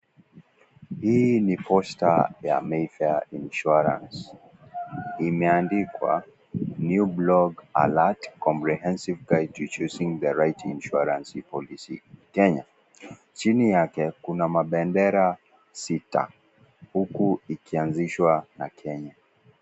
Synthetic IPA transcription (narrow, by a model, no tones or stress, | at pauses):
hiːnipʰɔsta̰ja̰mɛfɛinʃuɾã̰ns | imɛandikwa̰ | njublɔɡa̰latkɔ̃mpɹiɦɛ̃nsivɡajdtit͡ʃusĩŋðəɹajtʰĩnʃuaɾãnsipɔlisḭkɛɲa | t͡ʃinijakɛkunamaɓɛndɛɾa | sita̰ | hukuikianziʃwanakʰɛɲa